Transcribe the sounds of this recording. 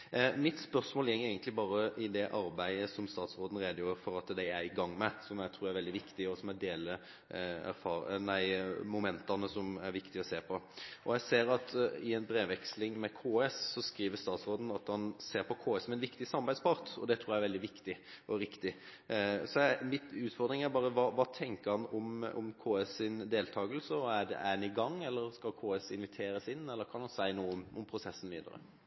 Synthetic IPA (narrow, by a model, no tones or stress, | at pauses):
mɪt̪spœɾsmoːljɛŋəæɪɡənt̪lɪbɑːɾəʔɪd̪ɛʔɑɾbæɪəsɔmst̪ɑːt̪sɾoːd̪n̩ɾeːd̪əjuːɾfɔɾɑt̪d̪æɪæɾɪɡɑŋːmɛsɔmæɪt̪ʰɾuːɾæɾʋɛld̪ɪʋɪkt̪ɪɔsɔmæd̪eːlə | æ̰ɾfɑːnæɪmʊmɛnt̪ɑnəsɔmæɾʋɪkt̪ɪɔseːpʰɔʔɔjæɪseːɾɑt̪ɪɛnbɾeːʋɛkslɪŋmɛkʰoːɛsːɔskɾiːʋəɾst̪ɑːt̪sɾoːd̪n̩ɑt̪mɑnseːɾpʰɔkʰoːɛsɔmɛnʋɪkt̪ɪsɑmːɑbæɪspʰɑɾt̪ɔ̰d̪ɛt̪ʰɾuːjæɛɾʋɛld̪ɪʋɪkt̪ɪʔɔɾɪkt̪ɪ | sɔɛmɪt̪ʉːt̪fɔɾd̪ɾɪŋæɾbɑːɾəʋɑːʋɑːt̪ʰɛŋkəɾhɑnɔmɔ̰mkʰoːɛsɪnd̪eːlt̪ʰɑːɡəlsəɔæɖ̪ɛ̰ʔænɪɡɑŋːɛlːəɾskɑlkʰoːɛsɪnʋɪt̪ʰeːɾəsɪnːɛlːəɾkʰɑnhɑnsæɪnuːəɔmɔmpʰɾʊsɛsːən̩ʋḭːd̪ɑ̰ɾə̰